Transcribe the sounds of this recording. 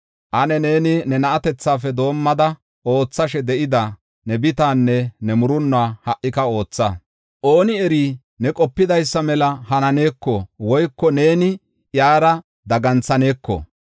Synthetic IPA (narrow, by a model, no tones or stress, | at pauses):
ʔɐnɛne̞ːnɪnɛnɐʔɐt̪ɛt͡sːaːfɛd̪o̞ːmːɐd̪ɐ | o̞ːt͡sːɐʃɛd̪ɛʔɪd̪ɐ | nɛbɪt̪aːnːɛnɛmʊɾʊnːʊaːhɐʔːɪkɐo̞ːt͡sːa | ʔo̞ːnɪɛɾiː | nɛkʼɔpːɪd̪ɐjsːɐmɛlɐhɐnɐne̞ːkːɔwɔjkːɔne̞ːnɪ | jaːɾɐ | d̪ɐɡɐnt͡sːɐne̞ːkːɔ̰